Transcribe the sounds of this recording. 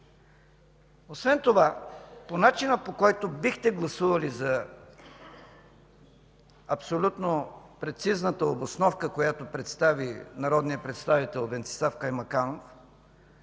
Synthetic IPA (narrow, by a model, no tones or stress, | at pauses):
osvɛnt̪ovaponat͡ʃinəpokɔjt̪obixt̪ɛɡlˠɐsuvəlizɐ | ɐpsolʲut̪nopɾɛt̪siznət̪əobosnɔfkəkojat̪opɾɛt̪st̪avinɐɾɔd̪nijəpɾɛt̪st̪avit̪ɛlˠvɛnt̪sɛ̥safkajmɐkanof